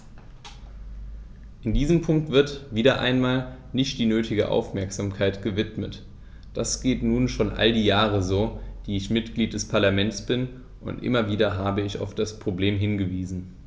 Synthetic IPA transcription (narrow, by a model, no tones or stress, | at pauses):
ʔɪndiːzəmpʰʊŋk̚tv̥ɪɐtviːdɐʔa̰ɪnmaːl | nɪçtd̥iːnøːtɪɡə̰ʔa̰ʊfmɛɐkz̥aːmkʰaɪtɡ̥əvɪtmət | d̥asɡ̥eːtnuːnʃoːnʔa̰ldiːjaːʁ̞əzoːd̥iːɪçmɪtɡ̥liːt̚d̥ɛspʰaɐlamɛntsb̥ɪn | ʔʊ̰ntʔɪ̰mɐviːdɐɦaːbəɪça̰ʊfd̥aspʁ̥obleːmɦɪnɡəviːzn̩